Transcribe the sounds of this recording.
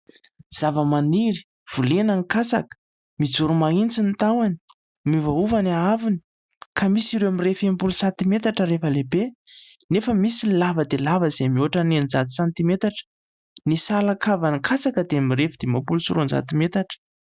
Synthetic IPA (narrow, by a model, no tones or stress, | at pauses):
z̥avəmaniɾi̥ | v̥ulenaŋikasa̰kə̥ | mid͡zuɾumaint͡sinit̪awani̥ | mivauvanaavini̥ | kʰamisiɾewamirefembulusant̪imet̪aʈ͡ʂəɾefəlebe | nefəmisilavəd̪elavəzemuaʈ͡ʂənenizat̪i̥sant̪imet̪aʈ͡ʂ | nisalakʰavanikʰat͡sakəd̪eamirefid̪emapulusṵɾunza̰t̪imet̪aʈ͡ʂə̥